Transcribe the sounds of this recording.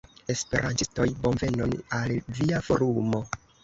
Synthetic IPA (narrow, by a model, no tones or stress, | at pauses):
e̞spe̞̰ɾʔa̰ntisto̞jbo̞nve̞nonalviafo̞̰ɾumo̞